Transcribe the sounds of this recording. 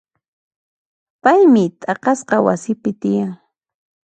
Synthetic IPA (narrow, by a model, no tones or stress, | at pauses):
pajmɪt̪ʼɑqɑsqɑwa̰sɪpɪt̪ɪjaŋ